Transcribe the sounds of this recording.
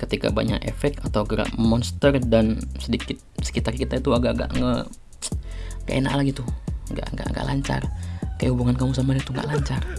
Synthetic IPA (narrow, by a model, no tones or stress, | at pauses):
kət̪ika̰ba̰ɲa̰kḛfɛk̚t̪at̪awɡəɾa̰ʔmɔnst̪ərdansədikɪt̪̚sə̥kit̪arkit̪ait̪uaɡaʔɡa̰ʔŋə | ŋɡa̰ʔena̰ʔlaɡit̪uŋɡa̰ʔŋɡa̰ʔŋɡa̰ʔla̰ɲt͡ʃa̰rkajahubuŋankamusamadit̪uŋɡa̰ʔlaɲt͡ʃar